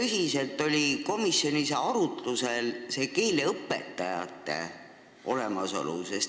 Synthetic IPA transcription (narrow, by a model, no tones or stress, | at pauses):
ysise̞lt̪ːˑo̞lʲiko̞misːjo̞niseɑɾut̪luse̞lse̞ːkeːleɤpːˑe̞̰t̪ːˑɑjɑ̰t̪ːˑe̞̰ | ʔo̞le̞mɑso̞̰lṵses